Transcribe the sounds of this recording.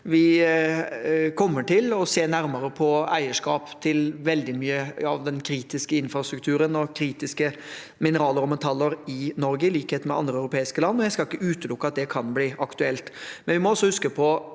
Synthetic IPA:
ʋɪ | kʰɔmːəʈʰɪlɔseːnæɾməɾəpʰɔæɪəʂkɑːpt̪ʰɪlʋɛld̪ɪmyːəɑʋd̪ɛnkʰɾiːt̪ɪskəɪnfɾɑst̪ɾʉkt̪ʰʉːɾənɔkʰɾiːt̪ɪskə | mɪnəɾɑːləɾɔmɛt̪ʰɑlːəɾɪnɔɾɡəɪliːkheːt̪mɛʔɑ̰nd̪ɾəœʉɾʊpʰeːɪskəlɑnːɔjæɪskɑlɪkːəʉːt̪əlʊkːəɑt̪̚d̪ɛkʰɑnbliːɑkt̪ʉɛlt̪mɛnʋɪmɔɔsːɔhʉskəpʰɔ

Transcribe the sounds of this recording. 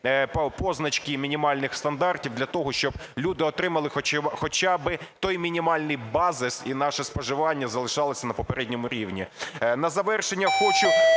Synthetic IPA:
pɔznɐt͡ʃkɪmʲinʲimɑlʲnɪxst̪ɐnd̪ɑrtʲiwd̪ʲlʲɐt̪ɔɦɔʃt͡ʃɔb̥lʲud̪ɪɔt̪ɾɪmɐlˠɪxɔxɔt͡ʃabɪt̪ɔjmʲinʲimɑlʲnɪjbɑzɪsinɑʃɛspɔʒɪʋɑnʲːɐzɐlˠɪʃɑlˠɔsʲɐnɐpɔpeɾɛdʲnʲɔmʊɾʲiwnʲḭnɐzɐʋɛrʃenʲːɐxɔt͡ʃʊ

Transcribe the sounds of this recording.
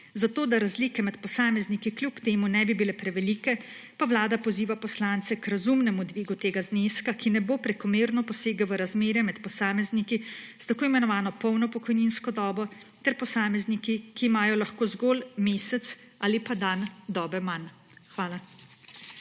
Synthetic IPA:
zat̪oːd̪aɾazliːkɛmɛt̪pɔsaːmɛznikiklʲjupt̪eːmunɛbibilɛpɾɛʋɛliːkɛpaʋlaːd̪apɔziːʋapɔslaːnt̪sɛkɾazumnɛmud̪ʋiːɡut̪eːɡazneːskakinɛboːpɾɛkɔmeːɾnɔpɔseːɡaʋəɾazmeːɾjɛmɛt̪pɔsaːmɛznikist̪akoːimɛnɔʋaːnɔpɔwnɔpɔkɔjninskɔd̪ɔːbɔ | t̪ɛɾpɔsaːmɛznikikiːmaːjɔlaxkoːzɡoːlmeːsɛt̪s | aːlipad̪and̪ɔːbɛman | xʋaːla

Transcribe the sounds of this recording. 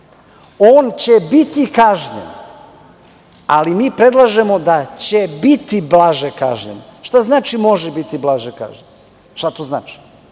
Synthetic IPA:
oːnt͡ɕebit̪ikaʒɲḛn | alimiːpɾe̞d̪lˠaʒe̞mo̞d̪at͡ɕebit̪iblaʒeka̰ʒɲḛnʃt̪aznaːt͡ʃimo̞ʒebit̪iblˠaʒeka̰ːʒɲen | ʃt̪at̪ozna̰ːt͡ʃi̥

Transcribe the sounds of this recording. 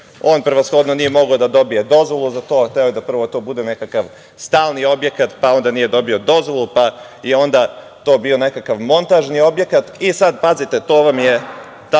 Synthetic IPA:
o̞ːnpɾeʋasxo̞d̪nonijemo̞ɡaod̪ad̪o̞bije̞d̪o̞zʋo̞lˠuzat̪o̞ːxt̪eojed̪apr̩ʋo̞t̪o̞ːbud̪ene̞kakaʋ | st̪aːlˠnio̞bje̞kat̪pao̞nd̪anije̞d̪o̞bio̞d̪o̞zʋo̞lˠupa | jeo̞nd̪a | t̪o̞ːbio̞ne̞kakaʋmo̞nt̪aʒnio̞bje̞kat̪isad̪pazit̪e̞t̪oːʋamje | t̪a

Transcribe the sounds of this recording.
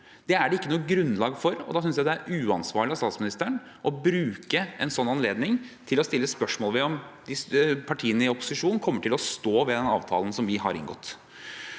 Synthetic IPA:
d̪̥ɛæɖɛɪkːənuːɡɾʉnːlɑːɡfɔɾɔ̰d̪ɑːsʏnsjæɪd̪ɛæɾʉːɑnsʋɑ̰ːɭɪɑsɑːt̪smɪnɪst̪əɳ | ʔɔbɾʉːkəʔɛnsɔnːɑnleːd̪nɪŋt̪ʰɪlɔst̪ɪlːəspœʂmoːlʋɛɔmd̪ɪspʰɑʈʰiːənəɪɔpʊ̥sɪʂuːnnkʰɔmːəʈʰɪlɔst̪oːʋɛd̪ɛnɑ̰ːʋt̪ʰɑ̰ːlən̩sɔmʋɪɦɑ̰ɾɪ̰nɡɔ̰t̪ː

